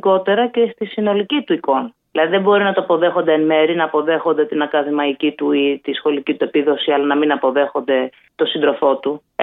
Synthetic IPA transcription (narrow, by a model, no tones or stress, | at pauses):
ko̞t̪e̞ɾɐce̞st̪isino̞licit̪uiko̞nðilɐðiðembo̞ɾinɐt̪oɐpo̞ðe̞xond̪eenme̞ɾinɐːpo̞ðe̞xo̞nd̪e̞t̪inɐkɐðimɐicit̪uit̪isxo̞licit̪ue̞piðo̞siɐlɐnɐminɐpo̞ðe̞xo̞nd̪e̞ | t̪o̞sind̪ɾo̞fo̞t̪u